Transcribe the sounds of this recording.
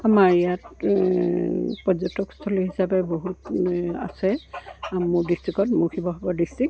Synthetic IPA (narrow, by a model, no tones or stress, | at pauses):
amaɹijat | pɔzɔtɔkstʰɔliɦisabɛboɦuta̰sɛ | mʊɹdistɹikɔtmʊɹxʰibɔɦɔbɔdistɹik̚